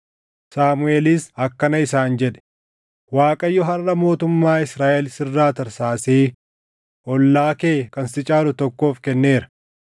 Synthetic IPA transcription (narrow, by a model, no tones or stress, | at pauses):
saːmʊeːlisɐkːɐnɐɪsaːnd͡ʒɛᶑɛ̥ | waːkʼɐjːɔɦɐrːɐmo̞ːt̪ʊmːaːɪsɾaːʔɛlsɪrːaːt̪ɐɾsaːseː | ʔɔlːaːkeːkɐnsɪt͡ʃʼaːlʊt̪ɔkːo̞ːfkɛnːe̞ːɾɐ̥